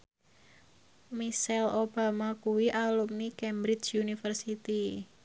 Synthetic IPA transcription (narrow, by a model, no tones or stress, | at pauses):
misɛlʔob̥a̤makuwiʔalup̚nikɛmbɾɪt͡ʃunifərsit̪i